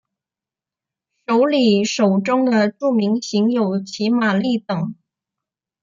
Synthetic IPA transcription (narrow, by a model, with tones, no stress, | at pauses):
ʂo˧˥ʊli˨˩ʂo˨˩ʊʈ͡ʂʊ˥ŋd̪ə˨ʈ͡ʂu˥˩mi˧˥ŋɕi˧˥ŋjo˨˩ʊt͡ɕʰi˧˥ma˨˩li˥˩t̪ɤ˨˩˦ŋ